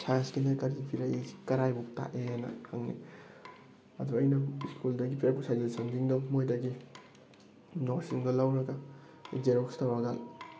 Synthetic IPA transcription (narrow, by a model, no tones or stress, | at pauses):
sʰanskinajkaɾipʰiɾaei̥kɐɾajbuk̚ta̰ʔeanɐ̰hʰaŋnḭ | ɐduɐjnɐiskuldɐɡipɾeɾpusajzelsaŋdiŋdɔmojdɐɡi | nɔɾsiŋdɔlawɾɐɡa | zeɾɔkstawɾɐɡal